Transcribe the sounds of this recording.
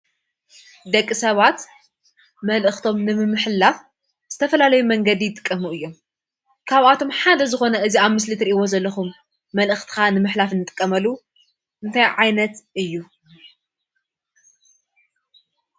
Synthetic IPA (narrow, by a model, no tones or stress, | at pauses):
d̪ɐkʼːisɐβat̪ | mɐlʔɨxt̪ʰo̞mnɨmɨmːɨħlaf | z̥ɨt̪ʰɐfɐlalɐjumɐŋɡɐd̪ijɪt̪ʼɨ̥kʼːɐmuʔɨjːo̞m | kʰaβʔat̪ʰo̞mħad̪ɐzɨxo̞nɐʔɨziaβmɨslɨt̪ɾiʔiwo̞zɐlːɐxumː | ɐlʔɨxt̪ʰi̥xanɨmɨħlafɨnɨt̪ʼɨkʼːɐmɐlːu | ʔɨnt̪ʰajʕajnɐt̪ʔɨjːu